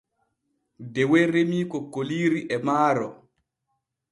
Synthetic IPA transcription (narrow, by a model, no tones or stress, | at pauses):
dɛwɛɾemiːkɔkːoliːɾiʔɛmaːɾɔ̰